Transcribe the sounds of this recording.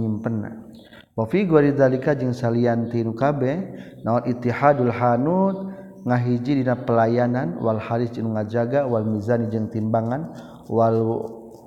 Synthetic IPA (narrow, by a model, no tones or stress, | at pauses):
ɲimpənːa̰ | wafiɡwaɾid̪alikad͡ʒəŋsaliant̪inukabɛ | naɔnit̪ːiħadalɦanut̪̚ | ŋaɦid͡ʒidinapəlajananwalhaɾisinuŋad͡ʒaɡawalmizanid͡ʒəŋt̪imbaŋan | walu